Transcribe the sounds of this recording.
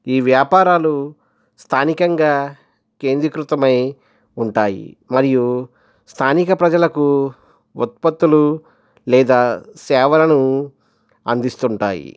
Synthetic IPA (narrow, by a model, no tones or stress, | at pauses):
iːʋjaːpaːɾaːlu | st̪ʰaːnikɐŋɡaː | ke̞ːnd̪ɾikɾut̪ɐmɐj | uɳʈaːjḭmɐɾiju | st̪ʰaːnikɐpɾɐd͡ʒɐlɐku | ut̪̚pɐt̪ːulu | lɛːd̪aːsɛːʋɐlɐnu | ɐ̰nd̪ist̪uɳʈa̰ːjḭ